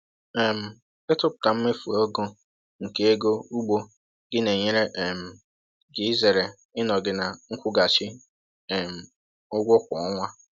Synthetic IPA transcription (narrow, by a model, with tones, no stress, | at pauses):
ɛ˨m̩˨ | ɪ˦tʊ˦pʊ̥˨ta˨m̩˦me˦fu˨o˦ɡo˦ | ŋ̩˨ke˦e˦ɡo˦u˦ɡ͡bo˦ | ɡ̥ɪ˦ne˨ɲe˦ɾe˦ʔm̩˨ | ɡɪ˨˦ze˨ɾe˨ | ɪ˦nɔ˨ɡɪ˦na˨ŋ̩˦kʷʊ˦ɡa˨t͡ʃɪ˦˨ | m̩˨ | ʊ˦ɡʷʊ˦kʷɔ˨ɔ˦ŋʷa˦